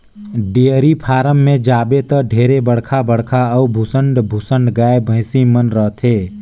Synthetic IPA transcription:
ɖeəɾipʰaːɾəmːẽd͡ʒaːbet̪əɖʱeːɾebəɽkʰabəɽ̤kʰaəubʱʊsəɳɖbʱʊsə̃ɳɖɡaːebʱə̃ɪ̃simənɾəɦt̪ʰeː

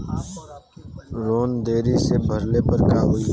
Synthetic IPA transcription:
ɾoːnd̪eːɾisebʱəɾleːpəɾkaːɦʊi

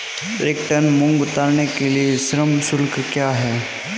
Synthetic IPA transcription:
ɾeːk̚ʈənmʊ̃ŋɡʊt̪aːɾnekeliesɾəmsʊlkkjaːɦɛː

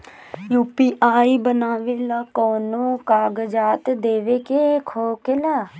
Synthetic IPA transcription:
juːpiːʔaːiːbənaːʋeːlaːkoːnũːkaːɡd͡ʒaːt̪d̪eːʋeːkekʰoːkelaː

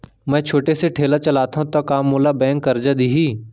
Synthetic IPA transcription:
mɛ̃ːt͡ʃʰoːʈeseʈʰeːlat͡ʃəlaːt̪ʰãt̪ɐkaːmːoːlaːbɛ̃ːŋkːəɾd͡ʒad̪iːɦiː

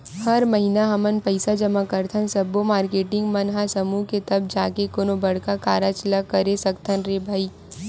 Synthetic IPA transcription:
hɐɾmɐɦinaɦɐmənpɐɪsad͡ʒɐmakəɾt̪ʰənsɐbomaːɾkeːʈɪ̃ŋɡmɐnɦasɐmuːket̪ɐb̚d͡ʒaːkekoːnobɐɽkakaːɾat͡ʃlakɐɾesɐkt̪ʰənɾeːbʱaːiː

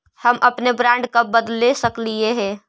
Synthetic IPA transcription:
həmʔəpnebɾãːɳɖkabəd̪lesəklieɦɛ̃ː

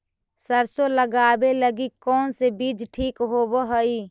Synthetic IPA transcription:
səɾsoləɡaːbeləɡikɔːnsebid͡ʒʈʰiːkɦobəɦəi

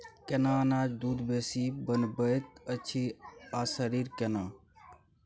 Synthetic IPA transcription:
kenaənaːd͡ʒd̪ud̪besibənbəjt̪̚ət͡ʃʰiasəɾiɾkena

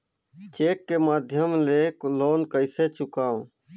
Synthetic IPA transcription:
t͡ʃeːkːeːmaːd̪ʱjəmleːkloːnkəɪseːt͡ʃʊkaːõː

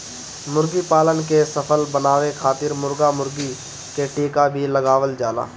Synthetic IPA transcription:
mʊɾɡipaːlənkesəpʰəlbənaːʋekʰaːt̪ɪɾmʊɾɡamʊɾɡi | keʈiːkabʱiləɡaːʋəld͡ʒaːla̰ː

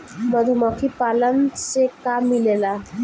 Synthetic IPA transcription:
məd̪ʱumɔkʰipalənt͡sekamːilela

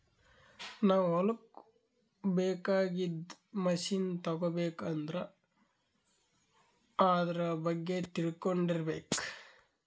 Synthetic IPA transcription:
naːʋuɔlɐk | bɛːkaːɡid̪mɐʃiːnt̪ɐɡobeːkɐnd̪ɾɐ | aːd̪ɐɾɐbɐɡːe̞t̪iɭkoɳɖiɾɐbeːk

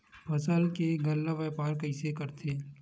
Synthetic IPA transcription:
pʰɐsəlkeɡɐlːaʋɛːpaːɾkɐɪsekɐɾt̪ʰeː

